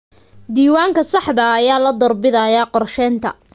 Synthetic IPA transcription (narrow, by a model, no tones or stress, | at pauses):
d̪iːwaːŋkʰɐsɑħd̪ɐːjaːlɐd̪ɔrbɪðɐjaːqɔrʃɛːnt̪ʰɐ̰